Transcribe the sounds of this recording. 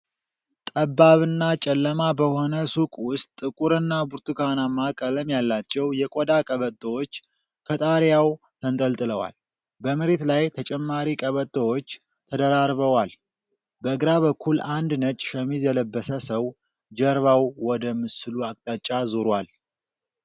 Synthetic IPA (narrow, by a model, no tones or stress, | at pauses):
t̪ʼəbːaβɨnːat͡ʃʼɛlːəmabəho̞nəsukʼwʊst̪ʼɨkʼuɾɨnːabuɾt̪ʰɨkʰanamːakʼələmjalːat͡ʃːɛwjɛkʼod̪akʼəβət̪ʼːəwot͡ʃː | kʰət̪ʼaɾjaw | t̪ʰənt̪ʼəlt̪ʼɨləwa̰l | bəməɾe̞t̪lajt̪ʰət͡ʃʼɛmːaɾikʼəβət̪ʼːəwot͡ʃː | t̪ʰəd̪əɾaɾβəwal | bəɨɡɾaβəkʰːuland̪nət͡ʃʼʃɛmizɛləbːəsəsəw | d͡ʒəɾβawwɔd̪əmːɨsɨluakʼt̪ʼat͡ʃʼːazoɾwal